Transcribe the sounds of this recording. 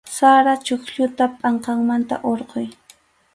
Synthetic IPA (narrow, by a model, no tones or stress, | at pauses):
saɾat͡ʃʊkʎʊt̪apʼɑɴqɑŋmant̪a̰ʔoɾqoj